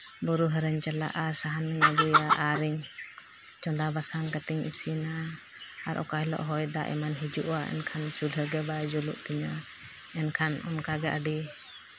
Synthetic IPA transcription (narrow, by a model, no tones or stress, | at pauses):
bɔɾuɦəɾəɲt͡ʃala̰ʔasaɦanɛŋabujaʔaɾiɲ | t͡ʃɔnd̪abasaŋkat̪iŋḭsinaː | ɾʔɔ̰kajlɔ̰ʔɦɔjd̪aʔɛ̰manɦid͡ʒuʔaɛ̰nkʰant͡ʃulɦəɾɡɛbad͡ʒuluʔt̪iɲa | ɛnkʰanɔnkaɡɛʔaɖi